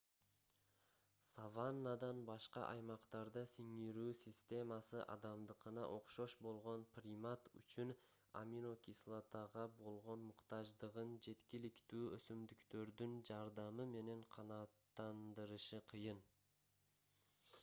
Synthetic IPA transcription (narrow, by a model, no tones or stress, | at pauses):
savanːad̪ɑnbɑʃqɑ̰ʔɑjmɑqt̪ɑɾd̪ɯsiŋiɾyːsʲisʲt̪ʲe̞mɑsɯʔɑ̰d̪ɑmd̪ɯqɯnɑ̰ʔo̞qʃo̞ʃbo̞lˠʁo̞nprʲimat̪y̰t͡ʃyn | a̰mʲiɾokʲislˠat̪ɑʁɑbo̞lˠʁo̞nmʊqt̪ɑʒd̪ɯʁɯnd͡ʒe̞t̪kʲilikt̪yːøsymd̪ykt̪ø̞ɾd̪ynd͡ʒɑɾd̪ɑmɯme̞ne̞ɴqʰɑnɑːt̪ːɑnd̪ɯɾɯʃɯqʰɯjɯn